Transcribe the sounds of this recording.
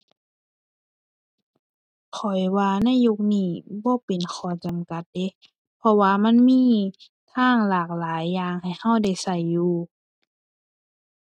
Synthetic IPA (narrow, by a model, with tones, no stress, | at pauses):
kʰɔ˨˩jwaː˧na˧˥˨jːu˧k̚niː˧˩bɔː˧˦pe˨nkʰɔː˧˩˦t͡ɕa˨mka˧˦t̪̚de˧˦ | pʰɔ˧waː˧ma˧˥˨nmiː˧˥˨ | t̪ʰaː˧˥˨ŋlaː˨˩k̚laː˨˦jːaː˧ŋha˨˩jha˧˥˨wda˧˩jsa˧˩jːuː˧